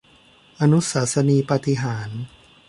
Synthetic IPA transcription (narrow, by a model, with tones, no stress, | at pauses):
ʔa˧nu˦˥saː˩˦˥sa˧niː˧pa˧t̪i˧ɦaː˩˦n